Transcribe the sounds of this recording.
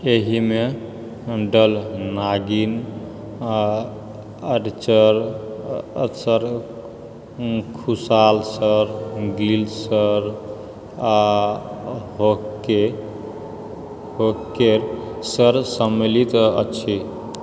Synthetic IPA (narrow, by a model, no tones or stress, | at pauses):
eɦime | ɖəlnaɡin | əɖt͡ʃəɾ | səɾ | kʰusalsəɾɡilsəɾ | a | ɦoke | ɦokeɾsəɾsəmːelit̪ə̰ːt͡ʃʰi